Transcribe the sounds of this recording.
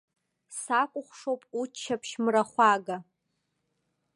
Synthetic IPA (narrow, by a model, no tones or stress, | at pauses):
sakʷʼʊχʷʂowpʼut͡ʃʰːapʰʃmraχʷaɡa